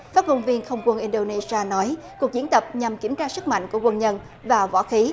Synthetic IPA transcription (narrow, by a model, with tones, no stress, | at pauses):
faː˦˥t̚mo˧nvi˧ənxə˧wŋ͡mkwə˧nʔi˧nɗo˧ne˧si˧aː˧nɔ˨˦jku˨˩ək̚zi˨˦ənt̪ə˨˩p̚ɲa˨˩mki˧˩əmt͡ɕaː˧sɨ˦˥k̚ma̰˧˨ŋ̟ku˧˩əkwə˧nɲə˧n | vaː˨˩vɔ̰ː˧˥xi˨˦